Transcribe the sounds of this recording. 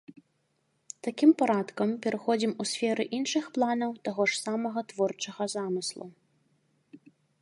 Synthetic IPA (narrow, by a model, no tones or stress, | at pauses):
t̪akʲimpaɾat̪kɐmpʲɛɾɨxɔd͡zʲimusʲfʲɛɾɨʔinʂɨxplˠanɐwt̪aɣɔʂsamɐɣɐt̪vɔrt͡ʂɐɣɐzamɨslˠṵ